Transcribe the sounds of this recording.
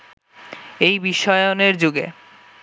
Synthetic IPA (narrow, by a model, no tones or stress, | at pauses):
ejbiʃɔeoneɾd͡ʑuɡḛ